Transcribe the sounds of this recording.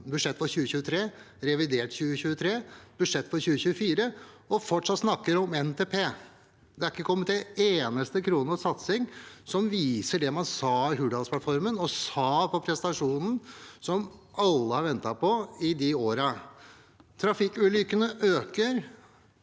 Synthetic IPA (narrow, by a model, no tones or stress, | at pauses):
bʉt̪ʂɛt̪ːfɔɾçʉːəçʉːət̪ʰɾeː | ɾɛʋɪd̪eːʈçʉːəçʉːət̪ʰɾeːb̥ʉd̪ʂɛt̪ːfɔɾçʉːəçʉːəfiːɾə | ɔfɔʈʂɑt̪ːsnɑkːəɾɔmɛnt̪ʰeːpʰeː | d̪ɛæɾɪkːəkʰɔmːət̪̚d̪ɛeːnəst̪əkʰɾuːnəsɑt̪sɪŋsɔmʋiːsəɖɛmɑnsɑːɦʉːɖ̪ɑlspʰlɑt̪fɔɾmənɔsɑːpʰɔpʰɾɛsənɑʂuːnn̩sɔmɑlːəhɑɾʋɛnt̪ɑpʰɔɪd̪ɪoːɾɑ | t̪ʰɾɑfɪkːʉːlʏkənəʔøːkəɾ